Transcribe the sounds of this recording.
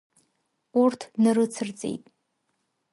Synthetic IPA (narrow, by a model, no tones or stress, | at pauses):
urtʰnɨrɨt͡sʰɨrt͡sʼḛjtʼ